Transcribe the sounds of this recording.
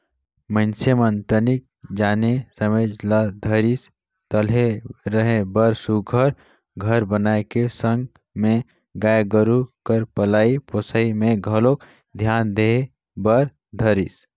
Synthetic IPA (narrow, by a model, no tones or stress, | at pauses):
mənsemənt̪ənik̚ | d͡ʒanesəmed͡ʒlad̪ʱəɾis | t̪əlɦeɾəɦẽbəɾsuɡʱəɾ | ɡʱəɾbənaekesə̃ŋɡ | mẽ | ɡajɡəɾukəɾpəlaːiposəimẽɡʱəlok | d̪ʱjaːnd̪ee | bəɾ | d̪ʱəɾis